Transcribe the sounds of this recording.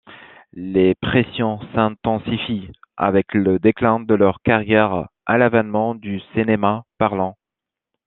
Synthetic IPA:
lepχesjɔ̃sɛ̃t̪ɑ̃sifia̰vɛkləd̪eklɛ̃d̪əlœʁkaʁjɛʁa̰lavanmɑ̃d̪ysenemapaʁlɑ̃

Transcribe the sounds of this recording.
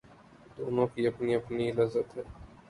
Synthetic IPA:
d̪oːnõkiɐpniɐpnilɐzːət̪ɦɛː

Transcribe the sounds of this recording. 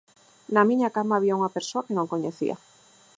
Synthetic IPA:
namĩɲakamaːβiauŋapeɾsoakenõŋkoɲeθḭa̰

